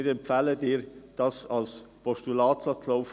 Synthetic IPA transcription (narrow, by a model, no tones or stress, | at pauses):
ɪɾɛmpfælədiːɾd̥ɑsɑlspʰɔʃtulɑːtsɑt͡slɔʊf